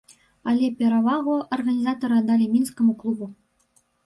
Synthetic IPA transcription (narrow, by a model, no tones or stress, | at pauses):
alʲepʲeɾɑvɑʁoʔorɣanʲizɑt̪oɾɑd̪ɑlʲemʲinskŏmuklˠubu